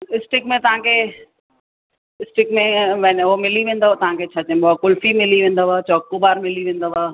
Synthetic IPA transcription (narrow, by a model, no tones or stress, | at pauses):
ɪsʈɪkmẽt̪ɐʋ̤ãkʰe | ɪsʈɪkmẽʋɛnomɪliʋẽːnd̪oat̪ɐʋ̤ãkʰet͡ɕʰaːt͡ɕɐ̃ɓoakʊlfimɪliʋẽːnd̪aʋaːt͡ɕɔːkːubaːɾmɪliʋẽːn̆d̪aʋaː